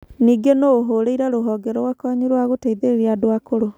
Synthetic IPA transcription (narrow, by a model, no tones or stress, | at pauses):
niːɡenoːɦoːɾeiɾaɾoɦɔːɡɛɾɔwakɔɲuɾowaɣoteiðeeɾiadoakoɾo